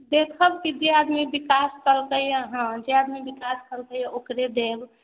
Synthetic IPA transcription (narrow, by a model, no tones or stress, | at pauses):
d̪ekʰəbkid͡ʒead̪mibikaskəlkəjjaɦə̃d͡ʒead̪mibikaskəlkəjaokɾed̪eb